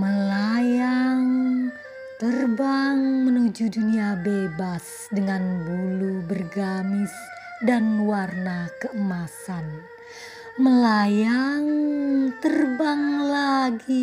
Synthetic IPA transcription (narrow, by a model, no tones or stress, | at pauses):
məlajaŋ | t̪ərbaŋmənud͡ʒuduniabebas | dəŋanbulubərɡamɪs | danwarnakəʔəmasan | məlajaŋt̪ərbaŋlaɡi